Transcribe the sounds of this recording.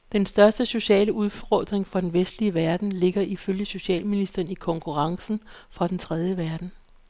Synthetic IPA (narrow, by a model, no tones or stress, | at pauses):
d̥ensd̥ɶɐsd̥əso̝ɕɛ̰ːləuð̞ˠfʁɒ̰ːd̥ʁeŋfɒd̥enʋesd̥liəʋæɐd̥n̩le̝ɡ̥ɐʔiføljəso̝ɕɛ̰ːlminisd̥ɐːnikʰɒ̽ŋkʰuʁɑ̈ŋsn̩fʁɑ̈d̥ent͡sʰʁɛð̞ˠjəʋæɐd̥n̩